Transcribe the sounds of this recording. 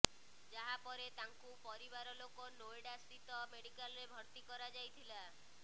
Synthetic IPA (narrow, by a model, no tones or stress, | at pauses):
d͡ʒaɦapɔɾet̪aŋkupɔɾiβaɾɔlokonojɽasit̪ɔmeɽikalɔɾebʱɔɾt̪ikɔɾad͡ʒajt̪ʰila